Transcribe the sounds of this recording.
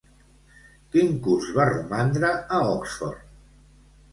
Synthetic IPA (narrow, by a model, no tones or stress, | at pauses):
kiŋkuzβarumand̪ɾəəɔksfɔrt̪